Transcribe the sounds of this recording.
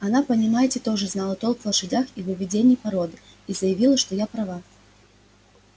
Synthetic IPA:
anapɐnʲimajɛt͡sʲɛt̪ɔʐɨznalˠɐt̪ɔlˠkvlˠɐʂɨd͡zʲaxivɨvʲid͡zʲenʲːipaɾɔd̪ɨ | izɐjɐvʲilˠɐʂt̪ɔjapɾava

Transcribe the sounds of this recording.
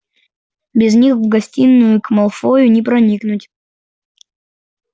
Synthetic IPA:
bʲɪznʲixvɡɐsʲtʲinːʊjʊkmɐlˠfojʊnʲɪpɾɐnʲiknʊtʲ

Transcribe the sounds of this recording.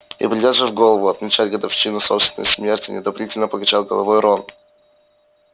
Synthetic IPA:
ḭpɾʲɪdʲazʐɨvɡo̞lˠəvʊɐt̪mʲɪt͡ɕætʲɡəd̪ɐfɕinʊso̞pst̪vʲɪnə̰jʲsmʲe̞rtʲɪnʲɪd̪ɐvlʲitʲɪlʲnəpəɡɐt͡ɕalˠɡəlˠɐvojɾon

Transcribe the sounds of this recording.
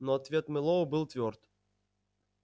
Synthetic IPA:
nɔɐt̪vʲet̪mɨlˠovbɨlˠt̪vʲort̪

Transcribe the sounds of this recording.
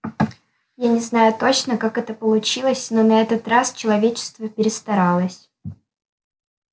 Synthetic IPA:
janʲɪznajʊt̪o̞t͡ɕnəkakɛt̪əpəlˠʊt͡ɕilˠəsʲno̞nɐɛt̪ət̪rast͡ɕɪlˠɐvʲet͡ɕɪ̥st̪vəpʲɪɾʲɪst̪ɐɾalˠəsʲ

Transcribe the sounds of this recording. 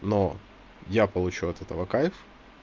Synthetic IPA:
no | japəlˠʊt͡ɕuɐt̪ɛt̪əvɐkajf

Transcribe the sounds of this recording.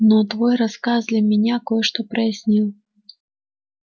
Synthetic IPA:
not̪vɔjɾɐskazlʲɪmʲɪnʲakojɛʂt̪opɾɐjɪsʲnʲilˠ

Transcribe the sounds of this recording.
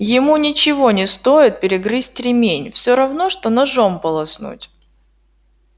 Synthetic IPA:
jɪmunʲɪt͡ɕɪvo̞nʲɪst̪o̞jɪt̪̚pʲɪɾʲɪɡɾɨsʲtʲɾʲɪmʲenʲfsʲoɾɐvnoʂt̪onɐʐompəlˠɐsnṵtʲ

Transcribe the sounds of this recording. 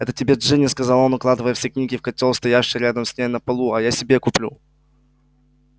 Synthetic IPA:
ɛt̪ətʲɪbʲeʐɨnʲɪskɐzalˠonʊklˠad̪ɨvəjəfsʲeknʲiɡʲɪfkɐt̪ʲolˠst̪ɐjaʂːɪɾʲad̪əmsʲnʲejənəpɐlˠuɐjasʲɪbʲekʊplʲu

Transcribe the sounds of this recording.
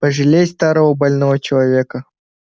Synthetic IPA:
pəʐɨlʲest̪aɾəvəbɐlʲnovət͡ɕɪlˠɐvʲekə

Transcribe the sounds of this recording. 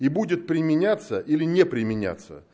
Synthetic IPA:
ibudʲɪt̪̚pɾʲɪmʲɪnʲat̪səʔilʲɪnʲepɾʲɪmʲɪnʲa̰t̪sə̰

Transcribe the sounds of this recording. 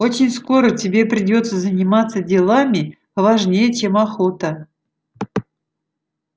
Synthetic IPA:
o̞t͡ɕɪnʲsko̞ɾətʲɪbʲe̞pɾʲɪdʲo̞t̪səzənʲɪmat̪sədʲɪlˠamʲɪ | vaʐnʲejət͡ɕe̞maxo̞t̪ə

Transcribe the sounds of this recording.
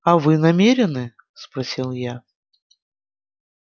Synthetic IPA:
ɐvɨnɐmʲeɾʲɪnɨ | spɾɐsʲilˠja

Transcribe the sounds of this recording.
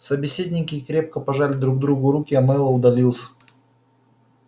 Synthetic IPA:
səbʲɪsʲedʲnʲɪkʲɪkɾʲe̞p̚kəpɐʐalʲɪd̪ɾuɡ̚d̪ɾuɡʊɾukʲɪɐmɛlˠəʊd̪ɐlʲilˠsʲ

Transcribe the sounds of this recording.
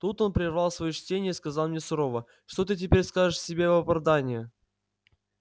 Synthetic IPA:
t̪ut̪o̞npɾʲɪrvɑlˠsvɐjot͡ɕtʲenʲɪjəiskɐzɑlˠmnʲesʊɾo̞və | ʂt̪o̞t̪ɨt̬ʲɪpʲeɾʲskaʐɨʂsʲɪbʲevpɐvd̪anʲɪjɪ

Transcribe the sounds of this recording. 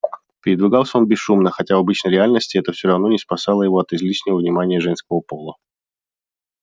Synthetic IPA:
pʲɪɾʲɪd̪vʲɪɡɑlˠsʲəo̞nbʲɪsːumnəxɐtʲavɐbɨt͡ɕnəjɾʲɪalʲnəsʲtʲɪɛt̪əfsʲoɾɐvno̞nʲɪspɐsɑlˠəjɪvoɐt̪ɪzlʲiʂnʲɪvəvnʲɪmanʲɪjəʐɛnskəvəpolˠə

